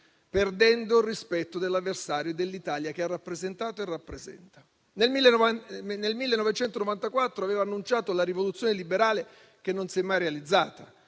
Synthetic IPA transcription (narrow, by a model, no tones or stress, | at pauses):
perd̪ɛnd̪orispɛt̪ːod̪elːavːersaːɾjod̪elːit̪aːljak̟earːapːɾezent̪aːt̪oerːapːɾezɛ̰nt̪ḁ | nelmilːenelmilːenɔvet͡ʃɛnt̪onovant̪akwat̪ːɾoaveːvaːnːunt͡ʃaːt̪olaɾivolut̪sːjonelibeɾaːle | k̟enːonsɛmːajɾealid̪zːaːt̪a